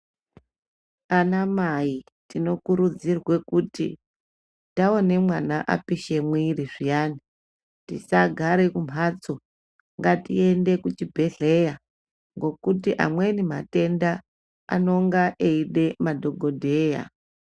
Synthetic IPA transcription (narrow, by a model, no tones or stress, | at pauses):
anamai | tino̞kuɾud͡zirwe̞kutḭ | taone̞mwanaʔa̰piʃe̞mwiriʐijani | tḭsaɡʱaɾe̞kum̤ʱat͡so | ŋɡatḭe̞nde̞kut͡ʃibʱe̞ɮe̞ja | ŋɡo̞kutiʔa̰mwenimate̞nda | a̰no̞ŋɡaʔeiɗe̞madʱo̞ɡʱo̞dʱeːja̰